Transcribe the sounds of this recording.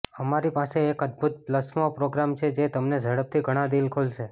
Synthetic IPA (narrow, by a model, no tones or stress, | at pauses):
əmaɾipaseːkəd̪̚bʱut̪̚pləsmopɾoɡɾamt͡ʃʰed͡ʒet̪əmned͡ʒʱəɽəp̚t̪ʰiɡʱəɽ̃ãd̪ilkʰolʃe